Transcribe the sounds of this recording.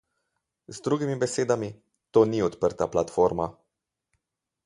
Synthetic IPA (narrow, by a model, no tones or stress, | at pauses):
zd̪ɾuɡmibesed̪ami | t̪oniut̪pərt̪aplat̪forma